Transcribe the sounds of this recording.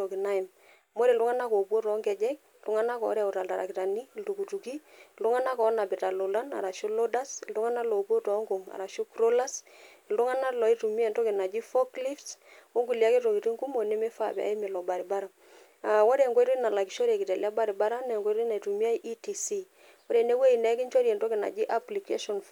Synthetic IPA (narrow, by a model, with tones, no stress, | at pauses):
o˨ki˨na˦i˨m | mo˦ɾe˨ldu˦ŋa˦na˦ko˨pwo˦tɔ˨˦ŋɡɛ˨d͡ʒɛ˦k̚ | ldu˦ŋa˦na˦kɔ̰ː˨˦ɾa˦˨u˨ta˨lta˨ɾa̰˨ki˨ta˨ni˦˨ltu˨ku˨tu˨ki˦ldu˦ŋa˦na˦kɔ˨˦na˨bi˨ta˨lo˨la˦na̰˨ɾa˨ʃo˦lo˦da˦si˨ldu˦ŋa˦na˦lɔ˨po˦tɔ˨˦ŋɡo˨ŋa̰˨ɾa˨ʃu˦kɾo˦la˦s | i˨ldu˦ŋa˦na˦lɔ˨i˦tu˨mi˦a˨nto˦ki˨na˨d͡ʒi˦fɔ˦kli˦fto˦ŋɡu˨lja˦ke˦to˨ki˨ti˦ŋku˦mo˨ne˦mɛ˦fa˦pɛ̰˨a̰˨˦i˦mɪ˨lɔ˨ba˨ɾi˨ba˦ɾa˨ | a˨wɔ˦ɾɛ˨ŋɡwɔ˦ɾu˦i˦na˨la˨ki˨ʃɔ˦ɾe˨kɪ˨tɛ˨lja˦ba˦ɾi˨ba˦ɾa˦nɛ˨ŋɡɔ˦ɾi˦na˨i˨tu˨mi˦a˦jʔi˦ti˨si˦ | ɔ˦ɾɛ˨ne˦we˦i˨nɛ˨˦ki˦nt͡ʃɔ˦ɾiɛ˨ntɔ˦kɪ˨na̰˨d͡ʒi˦ʔa˦pli˨ke˦ʃɔ˨nf